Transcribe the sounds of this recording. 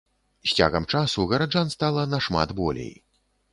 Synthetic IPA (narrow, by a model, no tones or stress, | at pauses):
sʲt͡sʲa̰ɣɐmt͡ʂasuɣɐɾad͡ʐanst̪alˠɐnɐʂma̰t̪bɔlʲḛj